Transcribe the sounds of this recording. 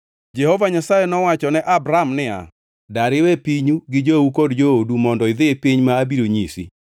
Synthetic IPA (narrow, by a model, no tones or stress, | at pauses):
d͡ʒehovaɲasajɛnɔwat͡ʃɔnɛʔabɾamnɪa̰ | daɾɪwɛpiɲuɡɪd͡ʒoukodd͡ʒoodumɔndɔɪðɪpiɲmaːbiɾoɲisḭ